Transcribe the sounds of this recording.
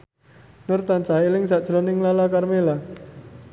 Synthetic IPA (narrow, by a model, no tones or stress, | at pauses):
nʊrt̪ansailɪŋsad̥ʒ̥ɾɔnɪŋlalakarmela